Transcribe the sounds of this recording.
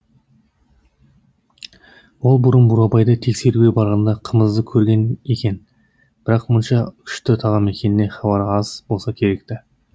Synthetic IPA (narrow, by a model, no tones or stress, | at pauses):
wo̞lˠbʊɾənbʊɾɑbɑjd̪ɑt̪ʰe̞kse̞ɾuɡʲebɑɾʁɑnd̪ɑqʰəməzd̪əkʲʰɵɾɡʲe̞ne̞kʲe̞n | b̥ɪɾɑqmʊnʃɑʏ̥ʃt̪ɪt̪ʰɑʁɑme̞kʲe̞nɪne̞χɑbɑɾɑz̥bo̞lˠsɑkʲʰe̞ɾe̞k̚t̪ɪ